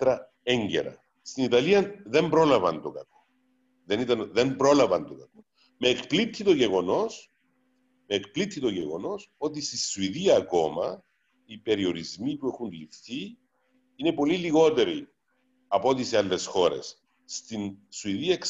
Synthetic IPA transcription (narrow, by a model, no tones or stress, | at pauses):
ɾɐ | eɲɟḛɾɐ̰ | st̪init̪ɐliɐðe̞mbɾo̞lɐvɐnt̪okɐko̥ | ðe̞nit̪ɐnðe̞mbɾo̞lɐvɐnt̪okɐko | meːkplit̪ʰːit̪oʝe̞ɣo̞no̞s | meːkplit̪ːit̪o̞ʝeɣo̞no̞so̞t̪̬ist̪isuiðiɐːko̞mɐ | ipe̞ɾio̞ɾizmipuexunlifθi | ine̞po̞liliɣo̞t̪e̞ɾi | ɐpoot̪isialːe̞sxo̞ɾe̞̰sː | t̪insuiðiɐeks